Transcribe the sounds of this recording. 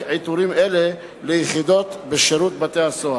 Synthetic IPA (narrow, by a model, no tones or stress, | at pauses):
ʕejt̪uɾimʔele | lejeχid̪ot̪beʃeɾut̪̚bat̪ehaso